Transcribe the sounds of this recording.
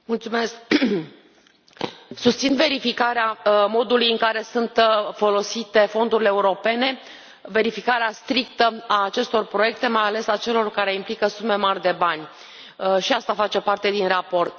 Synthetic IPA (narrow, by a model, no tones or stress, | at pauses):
mult̪sume̞sk̚ | sust̪sinve̞ɾifikaɾeamo̞d̪ulujɨŋkaɾe̞sunt̪fo̞lo̞sit̪e̞fo̞nd̪uɾileːuɾo̞pe̞ne̞ | ve̞ɾifikaɾeast̪ɾikt̪əaːt͡ʃe̞st̪o̞rpɾo̞je̞k̚t̪e̞majale̞sat͡ʃe̞lo̞rkaɾe̞implikəsume̞marʲd̪e̞banʲ | ʃiast̪afat͡ʃe̞part̪e̞d̪inrapo̞rt̪